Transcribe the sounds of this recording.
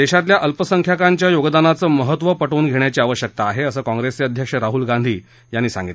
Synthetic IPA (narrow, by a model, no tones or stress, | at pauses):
d̪eɕat̪ljaʔəlpəsəŋkʰjakaɲt͡ɕjajoɡəd̪anat͡səːməɦət̪ʋəpəʈuːnɡʱeɳjat͡ɕiːaʋəɕjək̚t̪aːɦeəsəːkãŋɡɾeseəd̪ʱjəkʂəɾaɦulɡãnd̪ʱiː | janːiːsã̰ŋɡit̪e